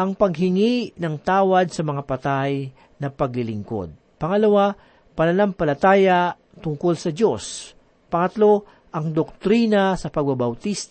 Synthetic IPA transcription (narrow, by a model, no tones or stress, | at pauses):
ʔɐŋpɐɡɦɪŋinɐŋt̪aːwɐd̪̚sɐmɐŋapɐt̪aj | nɐpɐɡlɪlɪŋko̞̰d̪̚ | pɐŋɐlɐwa | pɐnɐnampɐlɐt̪aːja | t̪ʊŋkolsɐd͡ʒo̞s | pɐŋɐt̪lo̞ | ʔɐŋd̪ok̚t̪ɾiːnɐsɐpɐɡ̚bɐbɐwt̪ist̪